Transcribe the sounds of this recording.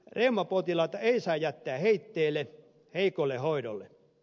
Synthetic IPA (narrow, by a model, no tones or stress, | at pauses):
reumːɑpot̪ilɑt̪ɑeisɑijæt̪ːeæheit̪ːeːlːe | heikolːehoido̰lːḛ